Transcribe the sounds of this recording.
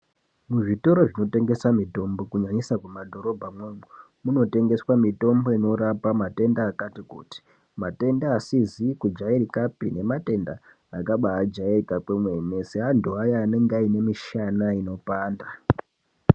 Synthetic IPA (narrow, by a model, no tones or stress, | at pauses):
muʐito̞ɾo̞ʐino̞te̞ŋɡe̞samito̞mbo̞kuɲaɲisakumadʱo̞ɾo̞bʱamweːmu | muno̞te̞ŋɡe̞swamito̞mbo̞ino̞ɾapamate̞ndaːkatikṵːti̥ | mate̞ndaːsizikud͡ʒairikapḭne̞mate̞nda̰ | akaɓaːd͡ʒairikakemwe̞neseɦanduajaːne̞ŋɡaine̞miʃanaino̞paːnda